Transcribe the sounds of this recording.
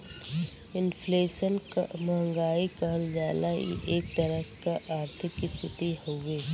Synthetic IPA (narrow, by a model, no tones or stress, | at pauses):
ɪnfleːʃənmɐɦə̃ŋɡaːikəɦəld͡ʒaːlajḭʔeːk̚t̪ɐɾəkaʔaːɾt̪ʰɪkːist̪ʰɪt̪ihõŋɡeː